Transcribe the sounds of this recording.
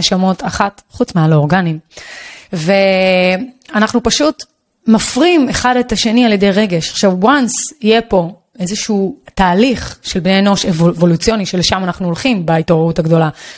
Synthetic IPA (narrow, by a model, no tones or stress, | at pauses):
eʃamo̞tʰaχatχut͡smealoʁɡanim | ve̞ | anaχnupaʃut | mafʁime̞χadetaʃe̞nialjede̞jʁe̞ɡe̞ʃaχʃavwansijepo̞ | e̞zeʃuːtaːliχʃe̞lbneno̞ʃevvo̞lut͡sijo̞niʃeleʃamanaχnuolχimbaitoʁeutaɡdo̞la